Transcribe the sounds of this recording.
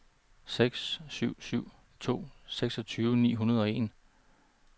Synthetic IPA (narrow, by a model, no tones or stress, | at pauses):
seɡ̥sːyʊ̰syʊ̰ | t͡sʰo̝̰ːseɡ̥sɒ̽t͡sʰyːʋnḭːɦunɐðˠɒ̽e̝n